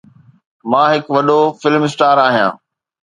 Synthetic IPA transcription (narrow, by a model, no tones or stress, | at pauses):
mãːɦɪkʋɐɗofɪlmsʈaːɾaːɦijã̰ː